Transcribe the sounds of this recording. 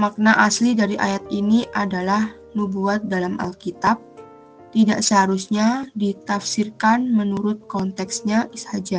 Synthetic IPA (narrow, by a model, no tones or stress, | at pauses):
mak̚naʔaslidaɾiʔa̰jat̪iniʔadalah | nubuat̪̚dalamʔa̰lkit̪ap̚ | t̪ida̰ʔsəɦaɾusɲadit̪afsirkanmənuɾʊt̪̚kɔnt̪ɛksɲaʔishad͡ʒa